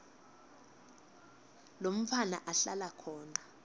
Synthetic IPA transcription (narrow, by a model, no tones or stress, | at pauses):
lom̩ʰana̰ʔaɬalakʰɔːna